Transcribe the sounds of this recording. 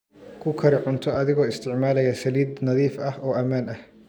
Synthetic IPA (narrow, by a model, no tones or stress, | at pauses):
kʰʊkʰɐɾɪʕʊnt̪ʰɔɐðɪɣɔːɪst̪ʰɪʕmaːlɛjɐsɐliːd̪nɐðiːfɐhɔːʔɐmaːnɐh